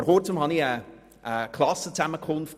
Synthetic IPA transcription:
ərhoːrtʰəmhɔniə | əkʰlˠɔsətʰaməkʰoːnf

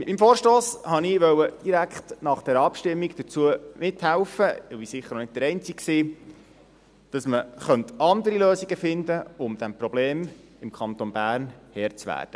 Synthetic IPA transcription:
mɪtmiːmfoːɾʃtoːshɑniʋœwəd̥iɾækχtnɑχd̥ɛːɾɑpʃtɪmːiɡd̥ət͡suəmɪt̪hælfəʋisɪχːəɾnonɪd̚d̪əɾɛnt͡sikksiː | d̥ɑsməχœnt̪ɑnd̪əɾiløːsiɡəfɪndəʊmd̪æmprɔb̥leːmɪmkχɑnt̪onbæːɾnhɛːɾt͡sʋæ̰ːɾd̥ə

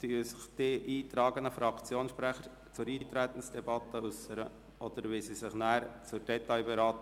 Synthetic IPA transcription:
t̪yəsɪχd̥iːʔiːt̪ɾɑːɡənəfɾɑkt͡sjoːnʃpɾæχəɾ | t͡sʊɾiːt̪ɾɛt̪ən̩sd̥ɛbɑt̪əʉsəɾə̰ | ʔɔd̥̪əɾʋɪsisɪχnæːɾt͡sʊɾd̥ɛt̪ɑɪbɛɾɑːt̪ə

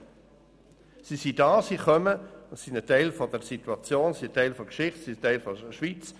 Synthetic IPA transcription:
sisidɑːsiχœməsinətɛɪlfɔdəɾsitwɑt͡sjoːnsiətɛɪlfɔkʃɪχtsitɛɪlfɔəʃʋit͡s

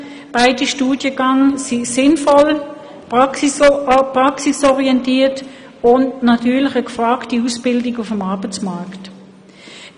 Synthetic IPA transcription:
b̥aɪdiʃtuːdjəɡɑŋsisɪnfɔl | p | pʁɑksisɔʁiɛntiːɐt | ʊndnɑtʰyːɐlɪχəkfʁaːktiusb̥ɪldɪɡʊfəmɑɐbət͡smakt

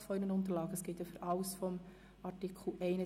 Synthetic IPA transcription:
fɔinənʊnt̪əɾlɑːɡəəsɡ̥ɪt̪əføɾʔɑʊsfɔm | ɑtikχl̩ʔɛɪnə

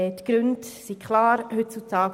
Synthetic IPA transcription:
ɛt̪ɡ̥ɾʏntsikʰχlɑːɾhʏtt͡sutʰɑːk

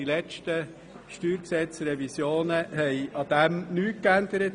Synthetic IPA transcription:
ilɛt͡ʃtə | ʃtyːɾksɛt͡sɾɛvisjoːnəhɛɪʔɑd̪̥æmnyːt̚kænd̪əɾət

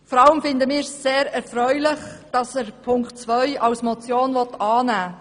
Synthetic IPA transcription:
fɔɾɑləmfɪndəmɪːɾseːɾɛɾfɾœʏlɪχd̥ɑsɛɾpʰʊŋkt̚t͡sʋœʏɑlsmɔt͡sjoːnvɔtɑːnæː

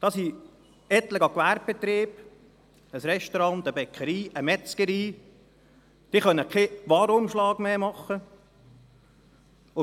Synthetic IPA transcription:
d̥̪ɑːsi | ɛt̪ləɡɑkʋæɾp̚bet̪ɾiːb̥ | əsɾɛʃtɔɾɑnt̪əbɛkʰəɾiːʔəmɛt͡skəɾiː | d̥iːχœnːəkʰeʋɑːɾʊmʃlɑːɡ̥meːmɑχːə | ʊ

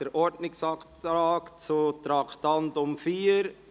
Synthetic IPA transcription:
əɾʔɔɾdnɪksɑktɾaːkt͡sutɾɑkʰtɑntʊmfiːəɾ

